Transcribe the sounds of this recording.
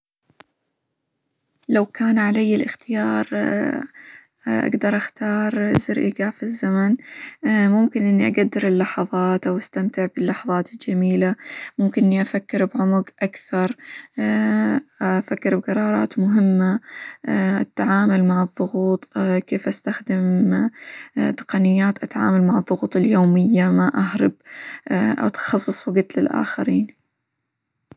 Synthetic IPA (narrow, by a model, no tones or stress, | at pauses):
lawkaːnʕalajːɪlʔɪxt̪ɪjɑːɾˤ | ʔa̰ɡd̪ɑɾˤʔaxt̪ɑːɾˤzɪɾʔiɡafizːaman | mʊmkɪnʔɪnːiʔaɡad̪ːɪɾɪlːɑħɑðˤɑːt̪ʔawʔast̪amt̪ɪʕbɪlːɑħðˤɑːt̪ɪld͡ʒamiːlamʊmkɪnʔɪnːiʔafakːɪɾbʕʊmʊɡʔakθɑɾˤ | fakːɪɾbqɑɾˤɑːɾˤɑ̰ːt̪mʊɦɪmːa | ʔa̰t̪ːaʕaːmalmaʕɨðˤːʊɣuːt̪ˤkeːfʔast̪axd̪ɪm | t̪ɪ̥qɑnɪjːaːt̪ʔat̪ʕa̰ːmalmaʕɨðˤːʊɣuːt̪ˤɪljoːmɪjːamaʔaɦɾɑb | ʔa̰t̪xɑsˤːɨsˤwɪɡɪt̪lɪ̰lʔa̰ːxaɾiːn